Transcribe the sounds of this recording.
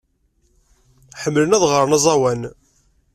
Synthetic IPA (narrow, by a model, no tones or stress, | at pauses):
ħəmːlənæðʁəɾˤənɑzˤɑwæn